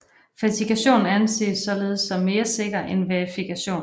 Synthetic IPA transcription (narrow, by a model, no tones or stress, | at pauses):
fæt͡sʰikʰæɕo̝̰ːnn̩ænse̝̰ːsɒ̽le̝ːð̞ˠsɒ̽mːe̝ːɐse̝ɡ̥ɐʔenʋeɐifikʰæɕo̝̰ːn